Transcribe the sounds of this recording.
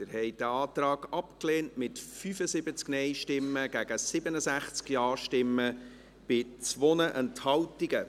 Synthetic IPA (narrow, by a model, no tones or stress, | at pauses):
tɪɾhɛɪd̥əɑːt̪ɾɑːɡɑpkleːntmɪtfyfəsɪbət͡sknɛɪʃtɪmːəɡ̥æɡ̥əsɪbənəsæχt͡skjɑːɾʃtɪmːə | b̥ɪt͡sʋonəʔɛnthɑltiɡə